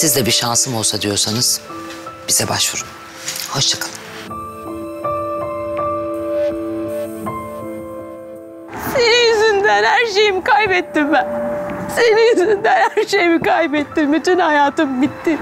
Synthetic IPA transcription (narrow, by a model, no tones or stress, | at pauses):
sizd̪ɛbiʃansɯmolˠsad̪ijo̞ɾsanɯz̥ | b̥iz̥ɛbaʃvuɾum | ho̞ʃt͡ʃʰakʰalˠɯm | senijjyzynd̪ænhæɾʃe̞jimikʰajbɛt̪ːimbænsenijyzynd̪ænhæɾʃe̞jimikajbɛt̪ːimbyt̪ynhajaːt̪ɯmbit̪ːɪ